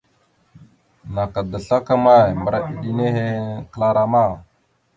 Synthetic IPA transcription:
na˨ka˨də˨ɬa˦ka˦ma˦˨jmə˨ɾa˨ɗi˨ɗi˦ne˦ɦe˦kə˨la˦ɾa˨ma˦˨

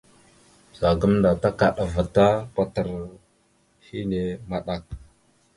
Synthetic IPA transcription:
za˨ɡə˦mnda˨ta˦ka˨ɗa˨va˨ta˦pa˨tə˨ɾ | hi˦ne˨ma˨ɗa˨k̚

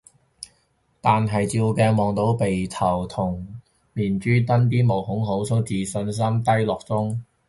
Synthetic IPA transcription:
t̪aː˨nɦɐ˨jt͡siː˧wkɛː˧mɔː˨ŋt̪o˨˥wpe˨jt̪ʰɐ˨˩wt̪ʰʊ˨˩ŋ | miː˨˩nt͡ʃyː˥t̪ɐ˥nt̪iː˥mo˨˩whʊ˨˥ŋɦo˨˥wt͡sʰʊ˨˥wt͡siː˨sɵ˧ns̬ɐ˥mt̪ɐ˥jlɔː˨k̚t͡sʊ˥ŋ

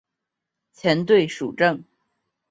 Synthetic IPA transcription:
t͡ɕʰjɛ˧˥nt̪̬we˥˩ɪʂu˨˩ʈ͡ʂə˥˩ŋ

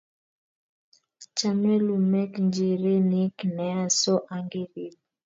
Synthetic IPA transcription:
t͡ʃa˨me˦lu˨mɛ˦knd͡ʒi˨ɾe˦ni˦knɛ˨˦a˦sɔ˦ʔa˨ŋɡe˦ɾi˨˦l

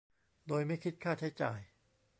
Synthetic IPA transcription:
d̪oː˧jma˥˩jkʰi˦˥t̪̚kʰaː˥˩t͡ɕʰa˦˥jt͡ɕaː˨˧j

